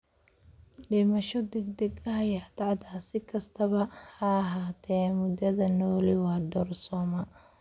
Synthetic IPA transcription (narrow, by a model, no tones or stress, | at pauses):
ɖɪmɐʃɔd̪ɛɡ̚d̪ɛɡɐɦɐjaːt̪ɑʕd̪aːsɪkʰɐst̪ʰɐβɐhɐːɦaːt̪ʰɛːmʊd̪ɐðɐnɔːlɪwɑːd̪ɔrsɔːmɐ